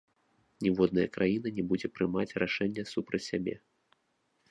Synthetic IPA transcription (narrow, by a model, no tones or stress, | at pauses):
nʲɛvɔd̪nɐjɐkɾajin̪ɐnʲɛbud͡zʲɛpɾɨmat͡sʲraʂɛnʲːɐsupɾɐt͡sʲsʲabʲɛ̰